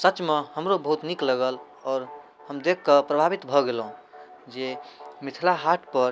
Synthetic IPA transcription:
sət͡ʃmehəmɾobəɦut̪nikləɡəl | ɔːɾ | həmd̪ekʰːəpɾəbʱabit̪bʱɔɡelɦũ | d͡ʒemit̪ʰilaɦaʈʰpəɾ

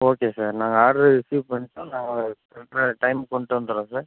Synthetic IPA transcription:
oːkeːsaːɾnaːŋɡɐaːɽɾɯsuːpɐɳːɪʈːõːnaːŋɡɐ | ɛʈɾɐʈɐɪmkɔɳɖʈːɯʋɐnd̪ɯɾõːsaːɾ

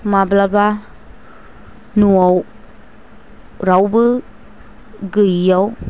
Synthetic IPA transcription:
mablaba | nuaw | ɾawbɯ | ɡɯjaw

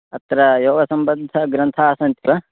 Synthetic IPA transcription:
ɐt̪ɐɾɐjoːʋɐsɐmbɐd̪ʱɐɡɾɐnt̪ʰaːsɐnt̪iʋɐ

